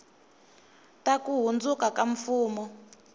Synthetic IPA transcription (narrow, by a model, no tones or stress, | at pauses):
takuɦund͡zukakaɱfuːmɔ